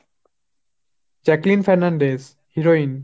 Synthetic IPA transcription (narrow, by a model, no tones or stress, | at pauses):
d͡ʒɛklĩnfɛɾnãɳɖez | hiɾoin